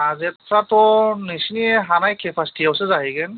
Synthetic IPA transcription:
azɛtʰɾatɔnisniɛɦanajkʰɛpʰastʰijawsɛzaɦiɡɛn

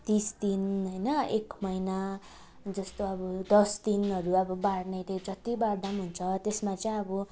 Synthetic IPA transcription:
t̪isd̪inɦʌjnʌekmʌjna | d͡zʌst̪oʌbʌd̪ʌsd̪inɦʌɾuʌbʌbaɽnʌjt̪ed͡zʌt̪ibaɽd̪amɦunt͡sʰʌt̪esmat͡sʌĩʌbʌ

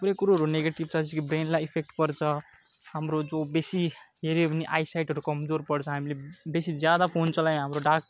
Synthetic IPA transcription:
puɾekuɾuɦʌɾuneɡeʈibt͡sat͡sʰikibɾenlajipʰek̚ʈpʌɾt͡sʰʌ | hamɾod͡zobesiɦeɾepniʔajsajʈɦʌɾukʌmd͡zoɾpʌɽt͡sʰʌɦamilebesid͡zjad̪apʰont͡sʌlamɦamɾoɖak

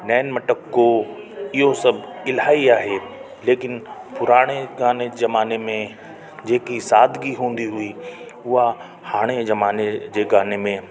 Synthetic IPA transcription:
nɛːɪnmɐʈəkːo | ɪɦosɐbʱɪlɦaːiaːɦe | leːkɪnpʊɾaːɽ̃eɡaːnezɐmaːnemẽ | d͡ʑeːkisaːd̪ʱɡiɦũːnd̪iɦʊi | ʊɦa | haːɽ̃ezɐmaːned͡ʑeːɡaːnemẽ

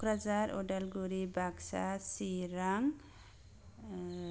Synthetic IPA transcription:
kɾad͡ʒaɾɔ̰ɖalɡuɾibaɡsa̰siɾaŋ

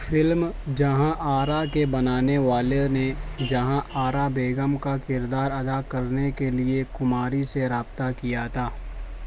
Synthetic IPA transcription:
fɪlmd͡ʒɐɦãʔaːɾakebɐnaːneʋaːlened͡ʒɐɦãʔaːɾabeːɡəmkakɪɾd̪aːɾɐd̪akɐɾnekeliekʊmaːɾiseɾaːb̚t̪akijat̪ʰaː

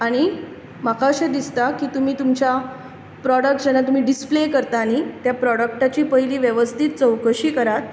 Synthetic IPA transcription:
aɽ̃i | makʰaəɕed̪ist̪akiːt̪um̤iːt̪umt͡ɕa | pɾɔɽək̚ʈd͡ʑenːat̪̬um̤iːɖisplekəɾt̪aːɽ̃it̪japɾɔɽək̚ʈat͡ɕiːpəɦjliːʋjeʋəst̪ʰit̪̚t͡səwkəɕiːkəɾat̪̚

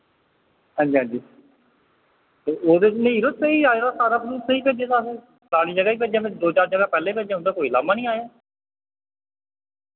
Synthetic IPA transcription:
ɦãːɲd͡ʒiːɦãːɲd͡ʒiː | t̪eːʔoːd̪eːt͡ʃnəiːɾoːt̪seiːaːeːɾaːsaːɾaːpʰəɾuːtsəiːpeːd͡ʒeːt̪aːseː | klaːɽiːd͡ʒəɡaːiːp̬eːd͡ʒãːʋɪt͡ʃd̪oːt͡ʃaːɾd͡ʒəɡaːpɛːlẽːpeːd͡ʒẽːɦʊ̃nd̪aːkoːiːlaːmaːnĩːaːjaː

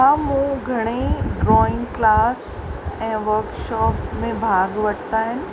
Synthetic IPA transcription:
ɦãmũɡʱɐɽ̃eɖɾɔːɪ̃ŋɡklaːsɛ̃ːʋɐɾkʃɔːpmẽbʱaːɡʋɐɽt̪aɦɪnɪ̆

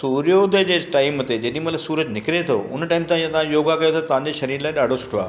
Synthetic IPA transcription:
suːɾijoːd̪əd͡ʑeːʈaːɪmʊt̪ed͡ʑɐɗɪ̃imɐt̪ləɡsuːɾəd͡ʑnɪkɾet̪ʰo̰ʊ̰nʈaːɪmt̪ãijãt̪ɐʋãjoːɡakɐjot̪ʰot̪ɐʋ̤ãɲd͡ʑeːʃɐɾiːɾlaːɪɗaːɖʱosʊ̥ʈʰoa̰ː

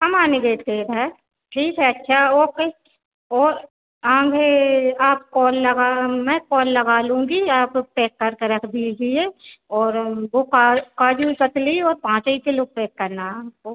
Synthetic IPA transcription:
ɦɐmaːneɡet̪eːɾɦɛː | ʈʰiːkɦɛɐtːʃʰaoːke | ɔːɾ | ãːɡʱeaːp̚kɔːlːɐɡaːmɛ̃ːkɔːlːɐɡaːlũːɡiaːppeːkːɐɾkeɾɐkʰd̪id͡ʒieɔːɾʋokakaːd͡ʒukɐt̪liɔːɾpãːt͡ʃikeloːɡ̚peːkːɐɾnaaːp̚ko

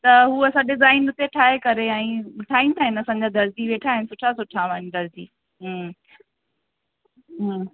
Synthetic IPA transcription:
t̪ɐɦuːɐsãɗɪzaːɪnʊt̪eʈʰaːɦekɐɾeɛ̃ːʋɪʈʰaːĩnt̪ʰaːɦɪnɐsãːɲ̆d͡ʑaːd̪ɐɾd͡ʑiʋeːʈʰaːɦɪnɪsʊʈʰasʊʈʰaʋaːnd̪ɐɾd͡ʑḭː | ɦ | ɦ

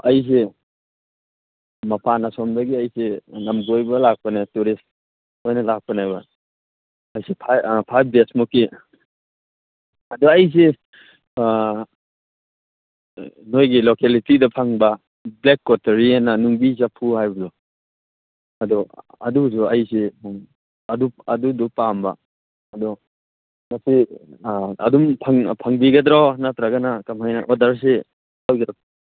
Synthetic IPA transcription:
ɐjs̬e | mɐpʰanasɔmbaɡiɐjsenamɡojbɐlak̚panatuɾist | ojnɐlak̚panajbaː | jsepʰapʰajbesmuki | ɐdɔɐjs̬e | nojɡilokelitidɐpʰaŋbɐ | blekːɔtɐɾiananuŋbizapʰuhajbɐzɔ | ɐdɔ | ɐ̰dusuɐjsimaŋ | ɐduɐdudupamba̰ː | dɔ | masi | ɐ̰dumpʰaŋpʰaŋbiɡɐdɾɔnatɾaɡanakamhajnaʔɔdaɾs̬i | awɡɾɔ

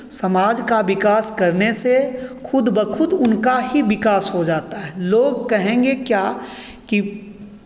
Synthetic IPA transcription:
sɐmaːd͡ʒkaʋɪkaːskɐɾnesexʰʊd̪bəkʰʊd̪ʊnkaɦiʋɪkaːsɦod͡ʒaːt̪aɦɛːloːɡkɛɦẽːŋɡekjaː | ki

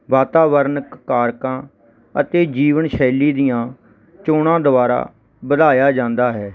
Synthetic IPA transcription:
ʋaːt̪aːʋəɾnkːaːɾkãː | ə̰t̪eːd͡ʒiːʋənʃɛːliːd̪ijãː | t͡ʃoːɽ̃ãːd̪ʊbaːɾa̰ː | bəd̪aːjaːd͡ʒãːnd̪aːɦɛː

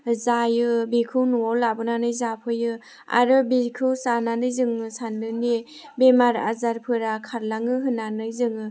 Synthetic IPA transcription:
zajɯbikʰɯwnuɔlabɯnanɯjzapʰɯjɯ | a̰ɾɯbikʰɯwsananɯjzɯŋɯsandɯne | bemaɾa̰zaɾpʰɯɾakʰaɾlaŋɯɦɯnanɯjzɯŋɯ

